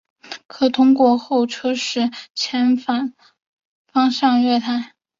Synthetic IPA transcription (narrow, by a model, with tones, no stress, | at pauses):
kʰɤ˨˩t̪ʰʊ˥ŋkwɔ˧˥xo˥˩ʊʈ͡ʂʰɤ˥ʂɻ̩˥˩t͡ɕʰjɛ˧˥nfa˥˩n | fɑ˥ŋʂɑ˥˧ŋɥɛ˥˩t̪ʰa˥